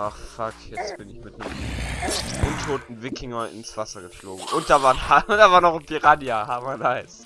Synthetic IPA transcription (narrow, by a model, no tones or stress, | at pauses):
ʔaχfakʰjɛt͡stb̥ɪnɪçmɪtnəm | ʔʊntʰoːtn̩vɪkʰɪŋɐɪ̰nsv̥asɐɡəflo̰ːɡŋ̩ʔʊnt̚d̥avaːnaʊd̥aːvaːɐnɔχɪpʰiʁadjahaːmanaɪs